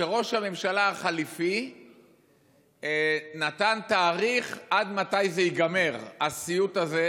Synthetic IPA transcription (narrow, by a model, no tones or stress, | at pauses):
eʁo̞ʃhame̞mʃalaaχalifi | nat̪ant̪aːʁiχad̪mat̪ajzeiɡame̞ʁasijut̪aze